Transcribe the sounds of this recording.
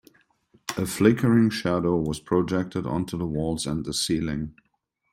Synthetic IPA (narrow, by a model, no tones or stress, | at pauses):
əflɪkʰə˞ɪ̃ŋʃæɾoʊwʌz̥pʰɹ̥od͡ʒɛk̚tʰɨɾə̰̃ntʰuðəwɔlˠzə̃nðəsilɪ̃ŋ